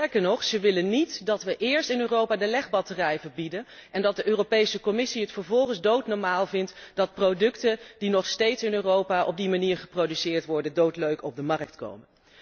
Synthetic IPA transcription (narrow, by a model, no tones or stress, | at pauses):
tɛɹkəɹnɔχsəʋɪlənitdɑtʋəʔɪːɹstɪnøːrowpaːdəlɛχbɑtərɛjvəbidənɛndɑt̚dəʔøːropejsəkɔmɪsiɦətfəɹvɔlˠχənzdowtnɔɹmaːlˠvɪntd̥ɑt̚prodɵktəd̥inɔχstejtsɪnøːrowpaʔɔ̰b̚dimaniːɹχə̥prowdysɪːɹtʋɔɹdəndowtløɥkɔb̚dəmɑrək̚tko̰wmən